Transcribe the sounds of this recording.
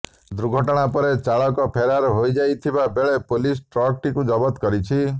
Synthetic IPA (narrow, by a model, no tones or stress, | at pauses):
d̪ɾuɡʱɔʈɔɽ̃apɔɾet͡ʃaɭɔkɔpʰeɾaɾɔɦojd͡ʒajt̪ʰibabeɭepolisʈɾɔk̚ʈikud͡ʒɔbɔt̪kɔɾit͡ʃʰi